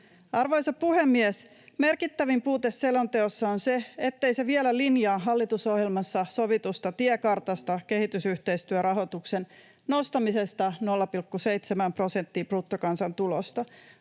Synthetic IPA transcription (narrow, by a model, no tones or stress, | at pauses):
ɑrʋojsɑpuhemːies | me̞rkit̪ːæʋimpuːt̪esːelo̞nt̪e̞osːɑonseet̪ːe̞jse̞ʋielælinjɑːɦɑlːit̪uso̞hjelmɑsːɑso̞ʋit̪ust̪ɑt̪iɛkɑrt̪ɑst̪ɑke̞hit̪ysyht̪e̞ist̪yøɾɑɦo̞t̪uksen | nost̪ɑmise̞st̪ɑno̞lːɑpilkːuse̞jt̪semæmpro̞se̞nt̪ːiːprut̪ːokɑnsɑnt̪ulo̰st̪ɑ